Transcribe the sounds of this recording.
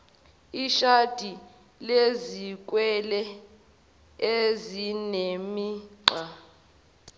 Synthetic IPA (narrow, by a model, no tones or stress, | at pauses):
iʃad̥ʱi | lezik̬ʼwɛlɛ | ezinemiǃa